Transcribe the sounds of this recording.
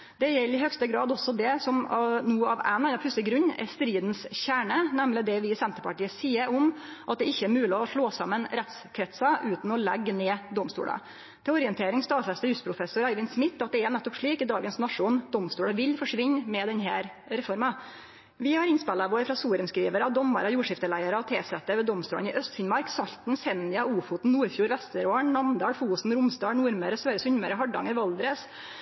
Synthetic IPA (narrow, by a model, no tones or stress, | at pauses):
d̪̥ɛjɛlːɪɦœkst̪əɡɾɑːd̪ɔsɔd̪ɛsɔmnuːɑʋæ̰nɑnɑpʰʉsəɡɾʉɲːɛ̰st̪ɾiːd̪nsçæːɳənæmlɪd̪ɛʋɪsɛnt̪əɾpɑʈiːəsiːəɾɔmʔɑt̪̚d̪ɛɪçːəæɾmʉːlɪɔʂɭoːsɑmːənɾɛt̪skʰɾɛt̪sɑʔʉːt̪n̩ɔlɛɡːneːd̪ɔmst̪ṵːlə̰ | t̪ʰɪɔɾɪənt̪ʰeːɾɪŋst̪ɑːsɛst̪əjʉst̪pɾʊfɛsʊɾæɪʋɪnsmɪt̪ːɑt̪̚d̪ɛæɳɛt̪ːɔpʂɭiːkɪd̪ɑːɡənsnɑʂuːnd̪ɔmst̪uːɽəʋɪlfɔʂʋɪɲːmɛd̪ɛnɦæːɾ | ɾɛfɔɾmɑ | ʋɪhɑɾɪnspɛlːɑʋoːɾfɾɑsuːɾənskɾiːʋəɾɑd̪ɔmːə̰ɾɑjuːʂɪft̪əlæɪəɾəɔt̪ʰeːsɛt̪əʋɛd̪ɔmst̪uːlənɪʔœst̪fɪnmɑɾksɑʎt̪n̩sɛnːɪɑuːfʊːt̪n̩nːuːɾfjuːɾʋɛst̪əɾoːəɳnɑmd̪ɑːɽfuːsn̩ɾʊmst̪ɑːɳnuːɾməɾəsʋøːɾəsʉɲməɾəɦɑɖɑ̰ŋəɾʋɑld̪ɾəs